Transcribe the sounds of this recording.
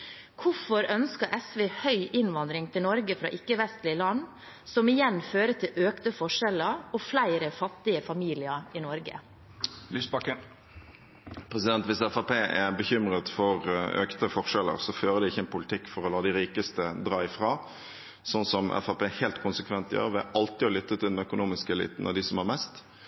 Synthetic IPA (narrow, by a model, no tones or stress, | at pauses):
kʰʊfɔɾœnskəɾʔɛsʋeːhœʏʔɪnʋɑnd̪ɾɪŋt̪ʰɪlnɔɾɡəfɾɑ̰ːʔɪkːəʋɛst̪lɪəlɑn | sɔmɪjɛnføːɾət̪ʰɪlʔøːkt̪əfɔʂɛləɾɔflæɪɾəfɑt̪ːɪəfɑmiːlɪəɾɪnɔɾɡə̰ | lysbɑkə | pʰɾɛsɪd̪ɛnt̪ʋɪsɛfɑpeːʔɛbəçʏmɾət̪fɔʁœkt̪əfɔʁʂɛlə̰ɾsɔføːɾəd̪ɛɪçəɛnpʰʊlɪt̪ʰɪkːfɔɾɔlɑːd̪ɪɾiːkəst̪əd̪ɾɑːɪfʁɑː | sɔnsɔmʔɛ̰fɑpeːhɛlt̪kʰʊnsəkʰʋɛnt̪jø̰ːʁʋɪʔɑlt̪ɪɔlʏt̪ːət̪ʰɪlmɛœkʊnuːmɪskɛlḭːt̪n̩ʔɑ̰d̪ɪsɔmhɑʁmɛst̪